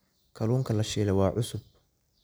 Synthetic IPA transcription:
kʰɐluːŋkʰɐlɐʃɛːlɐwɑːʕʊsʊb̚

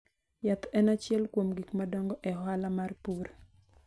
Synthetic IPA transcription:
jat̪ɛnat͡ʃjɛlkwomɡikmadɔŋɡɔʔɛɦwalamarpuɾ

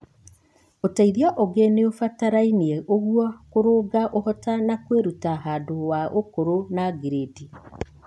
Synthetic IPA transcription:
otaiðiaʔɔɡeneofataɾainieʔoɣwɔkoɾoːɡaʔohɔtanakweɾutaɦaːndowaʔokoɾonaɡiɾedi

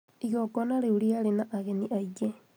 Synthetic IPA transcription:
iɣɔkɔnaɾeuɾiaɾenaʔaɣeniʔaid͡ʒe

